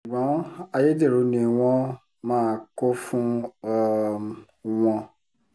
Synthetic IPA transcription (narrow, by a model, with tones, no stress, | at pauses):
ɡ͡bɔ̃˨˦a˧je˦de˦˨ɾo˨˦nĩ˧w̃ɔ̃˦ | mãː˦˨ko˦fũ˦ | w̃ɔ̃˧